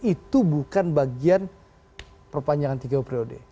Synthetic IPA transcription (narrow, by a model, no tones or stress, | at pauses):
it̪ubukanbaɡian | pərpaɲd͡ʒaŋant̪iɡaupɾiodḛ